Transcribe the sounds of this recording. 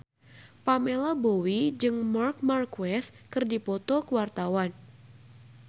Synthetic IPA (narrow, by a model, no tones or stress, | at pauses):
pamɛlabowid͡ʒɨŋmark̚markwɛskɨrdipɔt̪ɔkəwart̪awan